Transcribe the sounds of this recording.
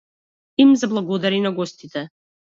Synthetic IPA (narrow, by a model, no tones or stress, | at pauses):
imzablˠaɡɔd̪aɾinaɡɔst̪it̪ɛ